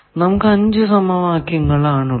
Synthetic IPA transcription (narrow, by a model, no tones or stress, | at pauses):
nɐmukːɨɐɲd͡ʑɨsɐmɐʋaːkjɐŋːɐɭaːɳu